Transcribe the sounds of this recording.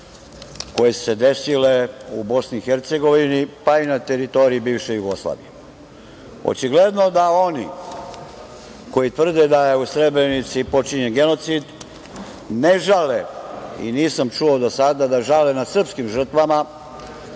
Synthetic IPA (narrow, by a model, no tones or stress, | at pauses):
ko̞jesu̥se̞d̪e̞sileubo̞sniːxeɾt̪se̞ɡo̞ʋinipainat̪eɾit̪o̞ɾiibiːvʃejuɡo̞slˠa̰ːʋḭje | o̰t͡ʃiɡle̞d̪no̞d̪ao̞nḭ | ko̞jit̪ʋr̩d̪ed̪ajeusɾe̞bɾe̞nit̪sipo̞t͡ʃiɲenɡe̞no̞t̪sid̪ | ne̞ʒaleḭniːsamt͡ʃuod̪o̞sad̪ad̪aʒalenad̪sr̩pskimʒr̩t̪ʋama